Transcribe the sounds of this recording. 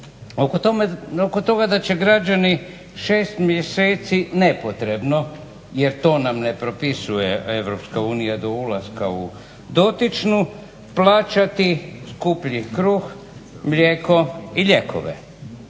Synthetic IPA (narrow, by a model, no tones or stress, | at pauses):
oookot̪o̞ɡad̪at͡ɕe̞ɡɾad͡ʒani | ʃeːst̪mjeseːt̪sine̞pot̪ɾe̞bno̞ | je̞ɾt̪o̞ːnamne̞pɾo̞pisujeeʋɾo̞pskauːnijad̪o̞ulaskau | d̪o̞t̪it͡ʃnu | plˠaːt͡ʃat̪iskupʎikɾux | mʎʲeːko̞iʎe̞kʰo̰ʋḛ